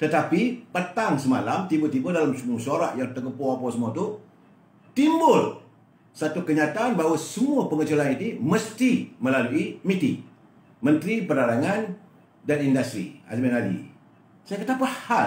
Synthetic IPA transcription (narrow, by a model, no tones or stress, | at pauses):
t̪ət̪apipət̪aŋsəma̰lamt̪ibut̪ibʊldalamsəmuasoɾaʔjaŋt̪əkəpoapawsəmũat̪u | t̪imbʊl | sat̪ukəɲat̪aanbaɦwasəmũapəŋət͡ʃulanit̪imə̃st̪imə̃laluimit̪ḭ | mə̃nt̪ɾipərdaɾaŋan | danindast̪ɾḭa̰smanadḭ | sajakət̪apəha